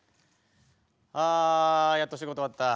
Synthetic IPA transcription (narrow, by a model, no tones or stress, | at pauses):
ajat̪ːoɕ̬iɡo̞t̪oat̪ːa